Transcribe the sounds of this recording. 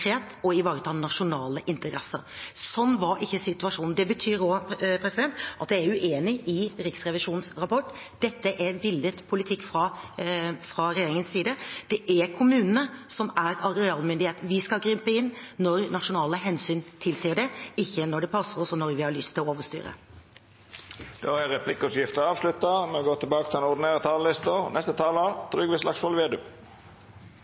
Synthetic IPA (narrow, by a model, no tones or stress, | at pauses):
ɾeːt̪ɔɪʋɑːɾət̪ʰɑːnɑʂʊnɑːləʔɪnt̪əɾɛsəɾsɔnːʋɑɾɪçːəsɪt̪ʉɑʂuːnn̩d̪ɛbət̪ʰyːɾɔpʰɾɛsɪd̪ɛnt̪ʔɑt̪d̪ææɾʉʔeːnɪʔɪɾɪksɾɛʋɪʂuːnsɾɑpɔʈː | d̪̥ɛt̪ːəʔɛɾʋɪld̪ət̪pʰʊlɪt̪ʰɪkːfɾɑ | fɾɑɾɛjeːɾɪŋənsːiːd̪əd̪̥ɛʔɛkʰʊmʉːnənəsɔmæɾɑɾɛɑːlmʏnd̪ɪheːt̪ʋɪskɑɡɾʏmpəɪnːnɔɾnɑʂʊnɑːləɦɛnsyːnt̪ʰɪlsiːəɖɛɪçːənɔɖɛpʰɑsəɾɔsɔnɔɾʋɪhɑɭʏst̪ʰɪlɔoːʋəst̪y̰ːɾə̰ | d̪̥oæɾɛpʰlɪkːʉpjɪft̪əɾɑːʋslʉt̪ɑmɛɔɡoːt̪ɪlbɑːkət̪ʰɪlɛnɔʁd̪ɪneːɾət̪ʰɑːləlɪst̪ənʔɛst̪ət̪ʰɑːlət̪ʰɾʏɡʋɪslɑ̰ksɔlʋeːd̪ʉ̰ː